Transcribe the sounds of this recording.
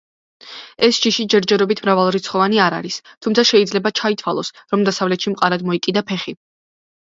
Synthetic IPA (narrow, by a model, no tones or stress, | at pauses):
ɛsd͡ʒiʃid͡ʒɛɾd͡ʒɛɾɔbit̪ʰmɾavalˠɾit̪sʰχɔvaniaɾa̰ɾist̪ʰumt̪sʰaʃɛid̪zlɛbat͡ʃʰait̪ʰwalˠɔ̰sɾɔmd̪asavlɛt̪ʃimqʼaɾad̪mɔikʼid̪apʰɛχi